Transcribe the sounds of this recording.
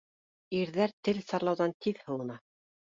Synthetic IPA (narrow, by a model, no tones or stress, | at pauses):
iɾðæɾt̪ɘlsɑɾlˠɑwðɑnt̪ʰiðhɤ̆w̪ˠɤ̆nɑ